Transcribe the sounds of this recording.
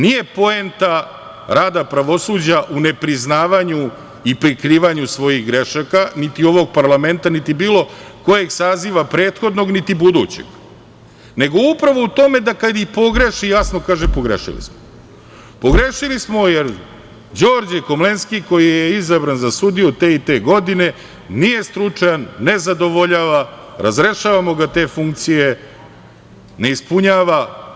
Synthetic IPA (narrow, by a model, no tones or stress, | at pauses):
nije̞po̞ent̪a | ɾaːd̪apɾaʋo̞suːd͡ʑaʔune̞pɾiznaːʋaɲu | ipɾikɾiːʋaɲusʋo̞jiɣɡɾeʃakanit̪io̞ʋo̞ɡ̚paɾlˠame̞nt̪anit̪ibiːlˠo̞ko̞je̞ɡsaziʋapɾe̞ːt̪xo̞d̪no̞ɡnit̪ibud̪uːt͡ɕḛɡ̥ | ne̞ɡo̞upɾaʋo̞ut̪o̞me̞d̪akad̪ipo̞ɡɾe̞ʃijasno̞kaːʒepoɡɾḛʃḭlḭsmo | po̞ɡɾeʃilismo̞jeɾ | d͡ʑo̞ːɾd͡ʑeko̞mlenskiko̞jijeizabɾanzasud̪ijut̪eit̪e̞ːɡo̞d̪ine̞ | nije̞st̪ɾut͡ʂajanːe̞zad̪o̞ʋo̞ʎaːʋa | ɾazɾe̞ʃaːʋamo̞ɡat̪e̞ːfuŋk̚t̪sije | ne̞ispuɲaːʋa